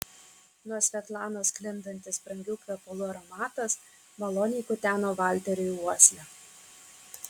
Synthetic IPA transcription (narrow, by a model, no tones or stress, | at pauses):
nuɔsʲʋʲɛt̪lˠɑːnoːsklʲɪnd̪ɐnʲt̪ʲɪsbɾɐŋʲɡʲʊkʲʋʲɛːpolˠʊɐɾɔmɑːt̪ɐs | mɐlˠoːnʲiːkʊt̪ʲæːnoːbɑˑlʲt̪ʲɛɾʲʊjuɔsʲlʲɛ